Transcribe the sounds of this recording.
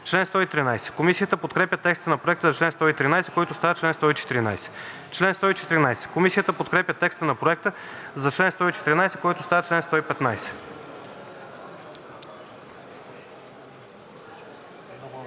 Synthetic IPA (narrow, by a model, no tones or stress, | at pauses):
t͡ʃlɛnst̪ɔit̪ɾinajsɛ̥komisiət̪əpot̪kɾɛpʲjət̪ɛkst̪ənɐpɾoɛk̚t̪əzɐt͡ʃlɛnst̪ɔit̪ɾinajsɛ̥kɔjt̪ʊst̪avət͡ʃlɛnst̪ɔit͡ʃɛ̥t̪iɾina̰jsɛ̥ | t͡ʃlɛnst̪ɔit͡ʃɛ̥t̪iɾinajsɛ̥komisiət̪əpot̪̚kɾɛpʲjət̪ɛkst̪ənɐpɾoɛk̚t̪ə | zɐt͡ʃlɛnst̪ɔit͡ʃɛt̪iɾinajsɛ̥kɔjt̪ʊst̪avət͡ʃlɛnst̪ɔipɛt̪najsɛ̥